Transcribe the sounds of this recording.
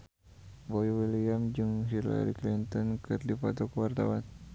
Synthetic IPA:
bɔiwiliamd͡ʒuŋɦila̰ɾḭklint̪ɔnkɨrdifat̪ɔkwart̪a̰wan

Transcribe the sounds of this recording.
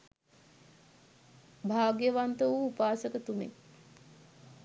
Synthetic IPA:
bʱaːɡjəʋant̪əʋuːpaːsəkət̪umḛŋ

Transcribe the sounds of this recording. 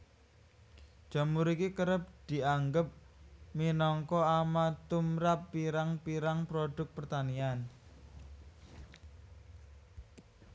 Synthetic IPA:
ʒ̥a̤muɾikikəɾəp̚d̪̥i̤aŋɡəp̚ | minɔŋkɔamat̪umɾapːiɾaŋpiɾaŋpɾoɖ̥ʊ̤k̚pərt̪anian

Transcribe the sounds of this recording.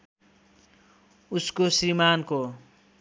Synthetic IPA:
uskosrimanko

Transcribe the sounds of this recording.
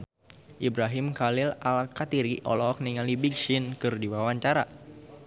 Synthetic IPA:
ʔibɾaɦɪmkalɪlalkat̪iɾiʔɔ̰lɔk̚niŋalibiɡʃɪnkɨrdiwawaɲt͡ʃaɾa̰

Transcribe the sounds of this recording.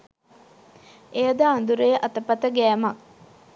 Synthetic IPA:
ejəd̪əand̪uɾəjəʔɐt̪əpɐt̪əɡæːmɐk̚

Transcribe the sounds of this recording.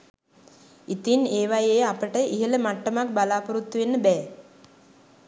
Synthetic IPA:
it̪ineːʋajejːapəʈəʔiɦələmaʈːəmak̚balaːpəɾut̪ːuʋenːəbɛː

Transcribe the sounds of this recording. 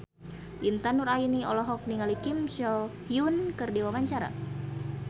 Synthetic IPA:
ʔint̪anuɾainiɔlɔɦɔk̚niŋalikimsɔhjunkɨrdiwawaɲt͡ʃaɾa̰

